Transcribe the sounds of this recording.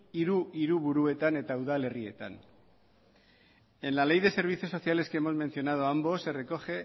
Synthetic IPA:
iɾuiɾuβuɾue̞t̪ane̞t̪auðale̞rie̞̰t̪a̰n | enlale̞jð̞e̞se̞ɾβ̞it͡soso̞siale̞skeemo̞zme̞nsio̞nað̞oambo̞se̞re̞ko̞ʝe̞

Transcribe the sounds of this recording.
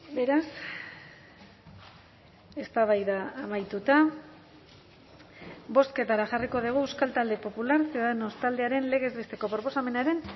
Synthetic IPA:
be̞ɾas | e̞st̪aβ̞ajðaːmajt̪ut̪a | bo̞st̪ke̞t̪aɾaʝariko̞ðiɣ̞uewskalt̪ald̪e̞po̞pulaɾseðno̞st̪ald̪e̞aɾe̞nle̞ɣ̞e̞zβe̞st̪e̞ko̞pɾo̞po̞same̞naɾe̞n

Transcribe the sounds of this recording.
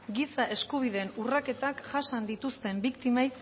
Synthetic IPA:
ɡisaʔe̞skuβ̞ið̞e̞ːnurake̞t̪akʝasand̪it̪ust̪e̞mbikt̪imaj

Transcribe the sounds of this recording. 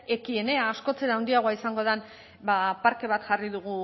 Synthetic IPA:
e̞kie̞ne̞aːsko̞t͡se̞ɾawnd̪iaɣoaisaŋɡo̞ð̞an | bapaɾke̞β̞at̪ʝariðuɣ̞u

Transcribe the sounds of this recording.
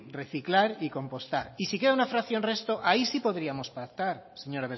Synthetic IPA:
re̞θiklaɾiko̞mpo̞st̪aɾisike̞ðaunafɾaθjonre̞st̪o̞ʔaisipo̞ðɾiamo̞spak̚t̪aɾse̞ɲo̞ɾaβe

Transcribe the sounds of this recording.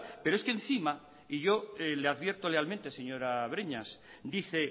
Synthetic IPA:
peɾoesken̟θima | iʝo̞eleaðβje̞ɾt̪o̞le̞almẽnt̪ese̞ɲo̞ɾaβ̞ɾeɲas | d̪iθe̞

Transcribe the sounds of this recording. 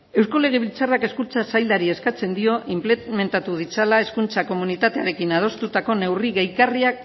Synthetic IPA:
e̞wsko̞le̞ɣ̞e̞βilt͡sarake̞skunt͡sasajld̪aɾie̞skat͡se̞nd̪io̞ʔʔimpleme̞nt̪at̪uð̞it͡salae̞skunt͡sako̞munit̪at̪eaɾe̞kinað̞o̞st̪ut̪ako̞ne̞wriɣejkariak̚

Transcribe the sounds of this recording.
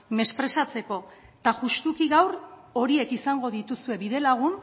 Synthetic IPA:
me̞spɾe̞sat͡se̞ko̞t̪aʝust̪ukiɣawɾo̞ɾie̞kisaŋɡo̞ðit̪usue̞βiðe̞laɣ̞un

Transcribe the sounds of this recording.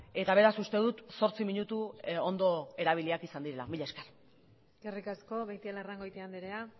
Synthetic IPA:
e̞t̪aβ̞e̞ɾasust̪e̞ðut̪so̞ɾt͡simiɲut̪uond̪o̞e̞ɾaβ̞iliakisand̪iɾe̞la̰miʎeskar | ɡ̥erikasko̞βejt̪ielaraŋɡojt̪eand̪iɾea

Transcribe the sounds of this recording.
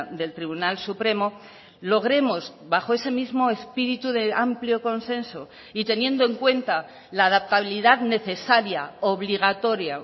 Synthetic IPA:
d̪e̞lt̪ɾiβunalsupɾe̞mo̞ | lo̞ɣ̞ɾe̞mo̞z | βaxo̞e̞se̞mizmo̞e̞spiɾit̪uðeampljo̞ko̞nse̞nso | it̪e̞nje̞nd̪oe̞ŋkwe̞nt̪a | laːðap̚t̪aβiliðaðne̞θe̞saɾjaoβliɣ̞at̪o̞ɾja

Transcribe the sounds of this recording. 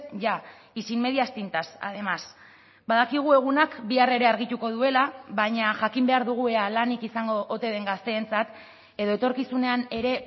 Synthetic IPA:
ʝa | isimme̞ðiast̪int̪asa̰ð̞e̞mas | baðakiɣ̞ue̞ɣ̞unakbiare̞ɾe̞aɾɣit̪uko̞ðue̞laβaɲaʝakimbe̞aɾðuɣ̞ue̞alanikisaŋɡo̞ʔːt̪e̞ðe̞ŋɡast̪e̞ːnt͡sat̪ | e̞ðo̞e̞t̪o̞ɾkisune̞ane̞ɾe̞

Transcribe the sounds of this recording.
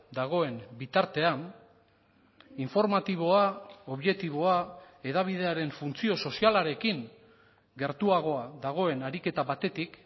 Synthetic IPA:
d̪aɣ̞o̞e̞nbit̪aɾt̪e̞an | iɱfo̞ɾmat̪iβ̞o̞ao̞βʝe̞t̪iβo̞a | e̞ðaβ̞ið̞e̞aɾe̞ɱfunt͡sio̞so̞sialaɾe̞kiŋ | ɡe̞ɾt̪uaɣ̞o̞aðaɣ̞o̞e̞naɾike̞t̪aβat̪e̞t̪ik

